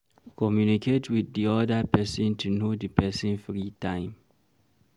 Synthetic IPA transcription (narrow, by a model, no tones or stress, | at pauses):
kʰɔmjunikʰetwiθdiɔdapɛsɔ̃ntʰunodəpʰɛsĩnfɹitãɪ̃m